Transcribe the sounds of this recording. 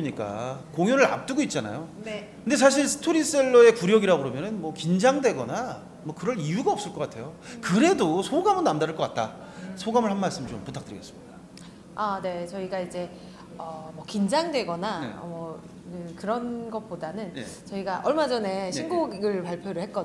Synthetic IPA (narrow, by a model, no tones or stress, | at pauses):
ɲik͈a̰koŋjonɯɭa̰p̚t͈ɯɡoit̚t͡ɕ͈ana̰jone | kɯnde̞s̬ʰaɕ̬ʰiɭsʰɯ̥tʰoɾis͈eɭːʌe̞kuɾjʌɡiɾaɡoɾomjʌnɯnmwʌkind͡ʑaŋdwe̞ɡʌna | mwʌkɯɾʌnijuɡaʌps͈ɯɭk͈ʌk͈atʰe̞jokɯɾe̞dosʰoɡamɯɭnamdaɾɯɭk͈ʌk͈at̚t͈a̰ | sʰoɡamɯɭhanmaɭs͈ɯmt͡ɕomputʰakt͈ɯɾiɡe̞s͈ɯ̥mɲida | ane̞t͡ɕʌiɡaid͡ʑe̞ | ʌmʌkind͡ʑaŋdwe̞ɡʌnamʌ | kɯkɯɾʌnɡʌt̚p͈odanɯnt͡ɕʌiɡaʔʌɭmad͡ʑʌne̞ɕʰinɡuɡɡɯɭpaɭpʰjoɾɯɭhe̞t̚k͈ʌ